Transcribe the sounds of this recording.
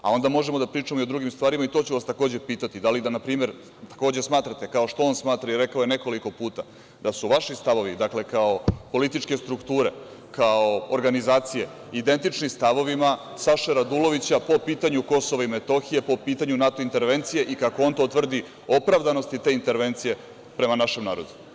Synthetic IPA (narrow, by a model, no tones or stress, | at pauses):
a̰o̞nd̪amo̞ʒemo̞d̪apɾiːt͡ʂamoiod̪ɾuɡimst̪ʋaːɾimait̪o̞t͡ɕuʋast̪akoːd͡ʑe̞piːt̪at̪id̪alid̪anapɾiːme̞ɾ | t̪ḁko̞ːd͡ʑesmaːt̪ɾat̪e̞kaoʃt̪o̞o̞nsmaːt̪ɾaiɾe̞kaoje̞ne̞ko̞liko̞puːt̪a | d̪asuʋaʃist̪aʋo̞ʋid̪akle̞kao̞po̞lit̪it͡ʂke̞st̪ɾukt̪uːɾe̞ | kaooɾɡanizaːt̪sije̞ | id̪e̞nt̪it͡ʃnimst̪aʋo̞ʋima | saʃeɾad̪ulo̞ʋit͡ɕapo̞piːt̪aɲuko̞soʋaime̞t̪o̞xije̞po̞piːt̪aɲunat̪o̞int̪e̞ɾʋe̞nt̪sije̞ʔikako̞o̞nt̪o̞t̪ʋr̩d̪i | o̞pɾaʋd̪ano̞st̪it̪e̞int̪e̞ɾʋe̞nt̪sije̞ | pɾe̞manaʃemnaːɾo̞d̪u